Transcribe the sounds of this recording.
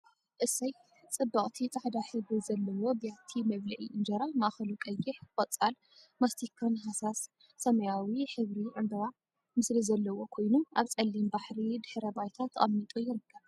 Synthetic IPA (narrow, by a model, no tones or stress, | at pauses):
ʔɨsːɐj | t͡sʼɨbːɐχʼt̪ʰit̪ʼaħd̪aħɨβɾizɐlːɐwo̞bijat̪ʰimɐβlɐʔiʔɨnd͡ʒɐɾamaʔaxɐlukʼɐjɪħkʼɐt͡sʼal | mast̪ʰikʰonɦasasː | ɐmɐjawiħɨβɾiʕɨmb̪ɐɾa | mɨslizɐlːɐwo̞kʰo̞jnumʔaβt͡sʼɐlːimbaħɾid̪ɨħɾɐbajt̪ʰat̪ʰːɐχʼɐmːit̪ʼujɪɾɨkʰːɐβ